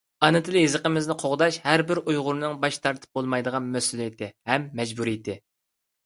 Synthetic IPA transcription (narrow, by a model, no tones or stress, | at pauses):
ɑnɨt̪ʰɨlˠɪɦɪzəqəmɪznɨqʰoʁd̪ɑʃhæɾbɪɾujʁʊɾɨnɨŋbɑʃt̪ʰɑɾt̪ʰɨ̥p̚bolˠmɑjd̪əʁɑnmɛsulˠɪt̪ɪhɛmːɛd͡ʒbuɾijt̪ɪ